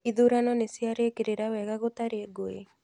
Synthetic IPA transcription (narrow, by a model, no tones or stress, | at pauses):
iðuɾanɔnesiaɾekeɾeɾawɛɣaɣot̪aɾeɡoḛ